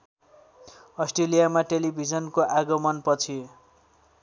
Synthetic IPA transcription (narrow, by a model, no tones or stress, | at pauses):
ʌsʈrelijamaʈelibʱid͡zʌnkoʔaɡʌmʌnpʌt͡sʰi